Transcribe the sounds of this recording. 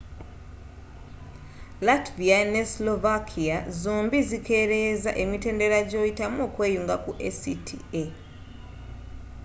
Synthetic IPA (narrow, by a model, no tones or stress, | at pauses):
latvianeslo̞vakʰiazoːmbizike̞ɾe̞zaʔe̞mite̞ːnde̞ɾaɟo̞jitamoːkweːjuːŋɡakuʔḛsitʰḭe